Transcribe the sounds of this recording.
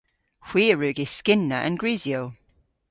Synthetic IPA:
hw̥iːɹʉːɡɪ̥skɪnːəʔə̰̃nɡɹiːzjoʊ

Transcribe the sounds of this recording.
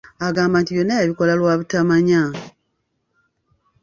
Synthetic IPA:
aɡaːmbaːntijonːajaβiko̞lalwaːβutamaɲa

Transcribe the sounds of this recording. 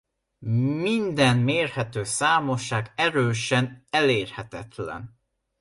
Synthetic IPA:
mind̪ɛnmeːrhɛt̪øːsaːmo̞ʃaːɡɛɾøːʃɛnɛleːrhɛt̪ɛt̪lɛ̰n

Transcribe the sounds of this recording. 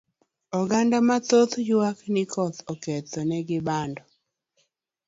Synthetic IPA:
ɔɡandamat̪ot̪jwaknɪkʰɔt̪ɔkɛt̪ɔnɛɡɪbandɔ

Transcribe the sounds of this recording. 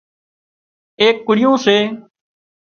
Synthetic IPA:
eːkːʊɽɪjõːseː

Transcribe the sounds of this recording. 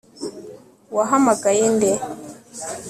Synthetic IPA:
waɦamaɡajinde

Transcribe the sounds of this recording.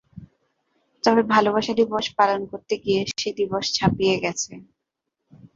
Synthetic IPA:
t̪ɔβebʱaloβaʃad̪iboʃpalonkoɾt̪eɡijeʃed̪iboʃt͡ɕʰapijeɡɛt͡ɕʰe

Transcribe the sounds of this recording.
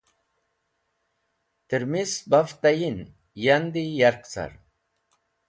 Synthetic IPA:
t̪iɾmisbaft̪ajin | jand̪ijaɾkt͡sa̰ɾ

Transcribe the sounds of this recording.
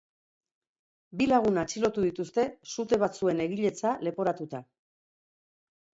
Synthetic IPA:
bilaɣ̞unat͡ʃilo̞t̪uðit̪ust̪e̞sut̪e̞βat͡sue̞ne̞ɣiʎe̞t͡sale̞po̞ɾat̪ut̪a

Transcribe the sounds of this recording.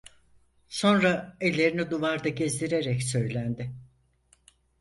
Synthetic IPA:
so̞nɾaelʲːe̞ɾinid̪uvaɾd̪aɟezd̪ʲiɾe̞ɾɛcsø̞jlʲænd̪ɪ

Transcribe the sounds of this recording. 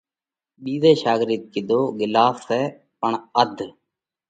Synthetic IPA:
ɓiːzeːʃaːɡɾiːt̪̚kɪd̪oːɡɪlaːssɛː | pəɳəd̪ʱ

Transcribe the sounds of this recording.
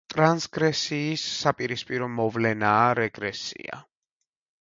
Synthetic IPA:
t̪ʼɾansɡɾɛsiːsːapʼiɾispʼiɾɔmɔvlɛnaːɾɛɡɾɛsḭa̰

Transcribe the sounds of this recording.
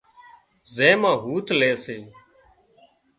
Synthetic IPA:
zẽːmãːɦuːt̪leːseː

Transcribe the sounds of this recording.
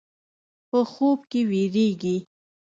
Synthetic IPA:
pəxob̚keweɾeɡi

